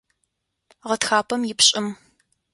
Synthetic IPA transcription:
ʁɐtxaːpʰɐmjɪpɕʼɪm

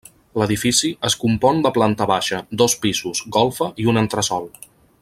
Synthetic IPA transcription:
ləðifisiəskumpɔnd̪əplant̪əβaʃəd̪ɔspizuzɡɔlˠfəʔiunənt̪ɾəsɔlˠ

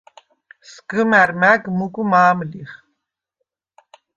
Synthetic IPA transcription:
sɡ̥əmæɾmæɡmuɡumaːmliχ

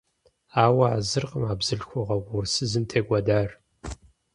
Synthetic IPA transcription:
aːwɐazɨrqəmaːbz̥ɨɬxʷɔʁɐɡʷʊrsɨzɨmtʰeːɡʷɐdaːr

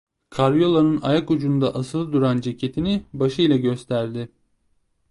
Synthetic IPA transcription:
kʰaɾijo̞lˠanɯnajakud͡ʒund̪aʔasɯlˠɯd̪uɾand͡ʒe̞cʰe̞t̪ʰinɪbaʃɯjlʲˠaɟø̞st̪ʰæɾd̪ɪ

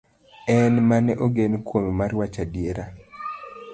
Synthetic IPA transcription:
ɛnmanɛʔoɡenkwomemaɾwat͡ʃadjeɾa

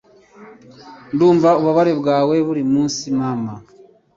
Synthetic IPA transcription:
nduːɱvauβaβaɾeβɡaːwe̞βuɾimuːnsimama

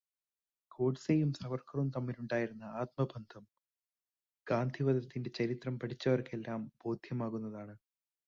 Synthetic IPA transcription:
ko̞ːʈsejumsɐʋɐrkɐrumt̪ɐmːiluɳɖaːjiɾunːɐaːt̪̚mɐbʱɐnd̪ʱɐm | ɡ̥aːnd̪ʱiʋɐðɐt̪ːinde̞t͡ɕɐɾit̪rɐmpɐʈʰit͡ɕːɐʋɐrke̞lːaːmbo̞ːd̪ʱjɐmaːɣunːɐðaːɳɨ

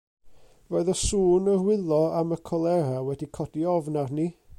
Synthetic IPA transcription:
voɨðɔsuːnərwɪlˠɔaməkʰɔlˠɛɾawɛdikʰɔdiɔvnarni

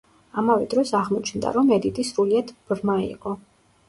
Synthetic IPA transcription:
amavɛd̪ɾɔsaʁmɔt͡ʃʰnd̪a̰ɾɔmɛd̪it̪ʼisɾuliad̪ʰb̥ɾmaḭqʼɔ

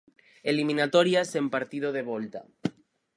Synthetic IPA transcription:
elimĩnat̪oɾjasempaɾt̪ið̞oðeβ̞olt̪a̰

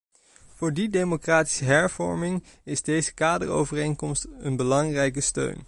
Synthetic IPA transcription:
v̥ʊːɹdidejmokraːti̥səɦɛɹv̥ɔ̰ɹmɪŋɪzdejzəkaːdə̰ɹo̰wvərejnkɔmstənbəlɑŋrɛjkəstø̰ɥn

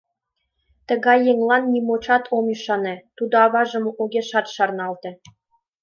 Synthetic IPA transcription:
t̪ə̆ɣɑjːeŋlˠɑnːimot͡ɕɑt̪ʰomyʃɑnĕt̪ud̪ŏɑβɑʒɤ̆moʔuɣʲeʃɑt̪ʃɑrnɑlt̪ĕ

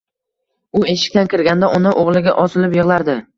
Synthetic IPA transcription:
ʊeʃɪ̥k̚ʲt̪ankʲɪɾɡʲand̪aʔʊnɪʔoʁlˠɪɡʲa̰ʔɒsɪlɪpjɨʁlˠaɾd̪ɪ

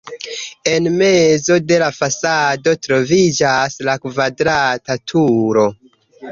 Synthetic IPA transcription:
e̞nme̞zo̞de̞lafasado̞tɾo̞vid͡ʒaslakvadɾatatʰuɾo̞

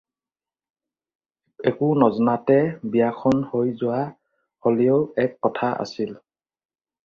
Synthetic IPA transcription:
ɛkʊnɔzɔnatɛbijakʰɔnhojzʊwa | holiowɛkːɔtʰaʔa̰sil

